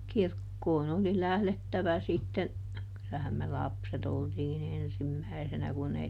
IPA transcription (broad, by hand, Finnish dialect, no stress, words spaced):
kirkːoːn oli læhletːæʋæ sitːen kylæhæm me lɑpset oltiːn ensimːæisenæ kun ei